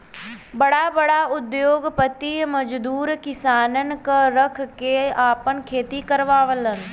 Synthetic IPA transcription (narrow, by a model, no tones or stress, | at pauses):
bəɽaːbəɽaːʊd̪joːɡpət̪iməd͡ʒd̪uːɾkɪsaːnənkəɾəkʰkeaːpənkʰeːt̪ikəɾʋaːʋələn